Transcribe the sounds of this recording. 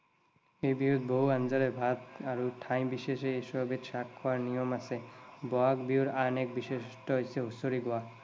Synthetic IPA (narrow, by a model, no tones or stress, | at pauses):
ejbiud̪̚ʱboɦuand͡ʒalebʱat̪aɾuʈʰãj̃biʃeʃeesɔbet̪ʃakʰːɔaɾnijɔmasebɔakbiuɾanek̚biʃesʈɔjseɦusoɾiɡɔa